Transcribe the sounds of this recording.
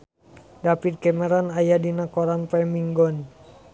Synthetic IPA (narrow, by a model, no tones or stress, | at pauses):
dapit̪̚kɛmɛɾanajadinakɔɾanpɛmiŋɡɔn